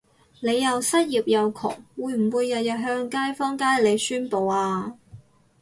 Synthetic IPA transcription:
ne˨˧jːɐ˨wsɐ˥t̚jiː˨p̚jɐ˨˧wkʰɔ̰ː˨˩ŋwuː˨˧jm̩˨˩wuː˨˧jːɐ˨t̚jɐ˨t̚ɦœː˧ŋkaː˥jfɔː˥ŋkaː˥jle˨˧jsyː˥npo˨˧waː˧

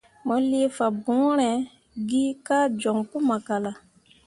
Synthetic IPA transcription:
mɔ˨li˦e˦fa˨bũ˨˦ɾɛ̃˨ | ɡi˦ka˦d͡ʒɔ˨ŋku˦ma˨ka˨la˨

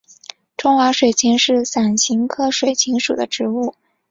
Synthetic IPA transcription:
ʈ͡ʂʊ˥ŋxwa˧˥ʂwe˨˩ɪt͡ɕʰi˧˥ŋʂɻ̩˥˩sa˨˩nɕi˧˥ŋkʰɤ˥ʂwe˨˩ɪt͡ɕʰi˧˥ŋʂṵ˨˩d̪ə˦ʈ͡ʂɻ̩˧˥u˥˩

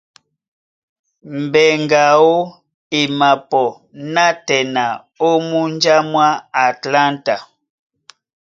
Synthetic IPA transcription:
m̩˨bɛ˨ŋɡa˨o˦ | e˨ma˨pɔ˨ | na˦tɛ˨na˨ | o˦mu˦nd͡ʒa˦mwa˦a˨tla˦nta˨

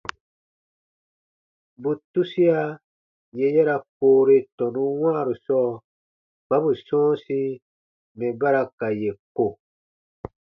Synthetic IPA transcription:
bu˨tu˦si˦a˦ | je˨jɛ˦ɾa˨koː˨ɾe˦tɔ̃˨nũ˦wãː˦˨ɾu˨sɔː˦ | ba˦bu˨sɔ̃ː˦si˦ | mɛ̃˨ba˦ɾa˧ka˨je˨ko˨

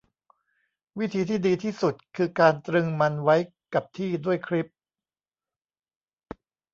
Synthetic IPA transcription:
wi˦˥t̪ʰiː˧t̪ʰiː˥˩diː˧t̪ʰiː˥˩su˨˩t̪̚kʰɯː˧kaː˧nt̪ɾɯ˧ŋma˧nwa˦˥j | ka˨˩p̚t̪ʰiː˥˩du˥˩əjkʰɾi˦˥p̚

